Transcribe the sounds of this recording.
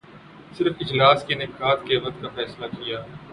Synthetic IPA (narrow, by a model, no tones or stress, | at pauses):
sɪɾəfɪd͡ʒlaːskenɪkaːt̪keːʋɐt̪kafɛːslakijaː